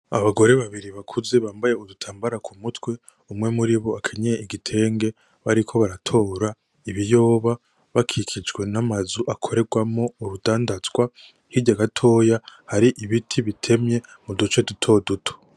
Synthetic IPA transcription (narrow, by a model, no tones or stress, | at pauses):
a̰βaɡo̞ɾe̞βaβiɾiβakʰuze̞βaːmbaje̞udutʰaːmbaɾakʰumutwe̞ | umŋe̞muɾiβo̞akʰe̞ɲeiɡitʰe̞ːŋɡe̞ | βaɾikʰo̞βaɾatʰo̞ːɾa | iβijo̞ːβa | βakʰikʰid͡ʒɡwe̞namazuʔakʰo̞ɾe̞ɡwamo̞uɾudaːndazɡwa | hiɟaɡatʰo̞ːjahaɾiʔiβitʰiβitʰe̞mɲe̞mudut͡ʃe̞dutʰo̞ːdutʰo̥